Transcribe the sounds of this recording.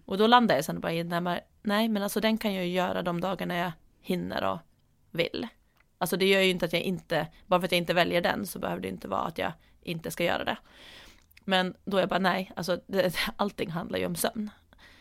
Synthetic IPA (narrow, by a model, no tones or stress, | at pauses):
ʔɔd̪ɔland̪aɾjasɛnbɑːɾaɪnnɛmɛɾ | nɛɪmɛnalsɔd̪ɛnkʰanjajɵjœːɾad̪ɔmd̪ɑːɡaɳaja | hɪnːə̰ɾɔ̰ | vɪ̰lː | alsɔd̪ɛjœːɾjɵɪnt̪əat̪jaʔɪnt̪əbɑːɾfɾat̪jaɪnt̪əvɛljəɖɛ̰nsɔbɛ̰høːvɖɛjɪnt̪əvɑ̰ːa̰t̪jɑ̰ | ʔɪnt̪əskajœ̰ːɾa̰d̪ɛ̰ | mɛnd̪ɔɛɾjabɑːɾanɛɪalsɔd̪ɛʔalt̪ːɪŋːɦand̪la̰ɾjɵ̰ɔmsœ̰mn